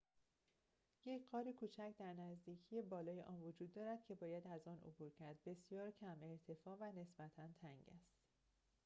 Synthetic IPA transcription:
je̞cʰɢɒːɾekʰuːt͡ʃʰæcd̪æɾnæzd̪iːcʰije̞bɒːlɒːjeʔɒːnvod͡ʒuːd̪ːɒːɾæd̪̥̚cʰe̞bɒːjæd̪æzɒnʔo̰buːɾcʰæɾd̪̚be̞sjɒːɾcʰæme̞ɾt̪ʰe̞fɒːvæne̞sbæt̪ʰænt̪ʰæŋɟæ̰st̪

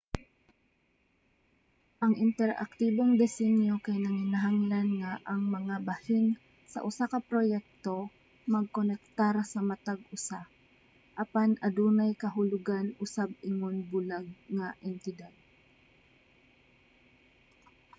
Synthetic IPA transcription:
ʔɐŋʔɪnt̪ɛɾʔɐ̰k̚t̪iːboŋd̪ɛsɛnjokajnɐŋɪnaɦaŋlanŋaʔɐŋmɐŋabɐhɪn | sɐ̰ʔʊsakɐpɾojɛk̚t̪o | mɐɡ̚konɛk̚t̪aɾsɐmɐt̪aɡ̚ʊsa | ʔɐpanʔɐd̪uːnajkɐɦʊlʊɡanʔʊsab̚ʔɪŋonbʊlaɡ̚ŋaʔɛnt̪ɪd̪ad̪̚

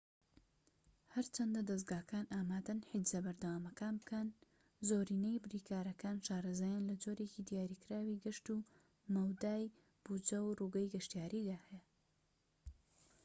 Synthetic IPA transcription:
hɐɾt͡ʃʰɐnd̪ɐd̪ɐs̬ɡaːkaːnʔaːmaːd̪ɐnħid̪zɐbɐɾd̪ɐwaːmɐkaːnbɨkɐn | zoːɾiːnejbɨɾiːkʰaːɾɐkaːnʃaːɾɐzaːjanlɐd͡ʒo̞ɾe̞cid̪ijaːɾikɾaːwiɡɨʃt̪u | mɐwd̪aːj | b̥ud͡ʒɐwruːɡɐjɡɐʃt̪jaːɾiːd̪aːhɛja

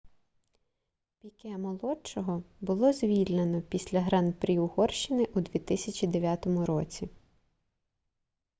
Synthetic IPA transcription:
pʲikɛmɔlˠɔt͡ʃɔɦɔbʊlˠɔzʲʋʲilʲnenɔpʲisʲlʲɐɦɾɑnpɾʲiʊhɔrʃɪnɪʔud̪ʋʲit̪ɪsʲɐt͡ʃʲid̪eʋʲjat̪ɔmʊɾɔt͡sʲi

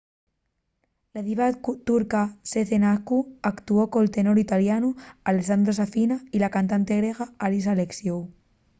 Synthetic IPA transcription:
laðiβat̪kut̪uɾkaseθenakuakt̪uokoelt̪enoɾit̪aljanualesand̪ɾos̬afinailakant̪ant̪eɣɾeɣaalisaleksjow

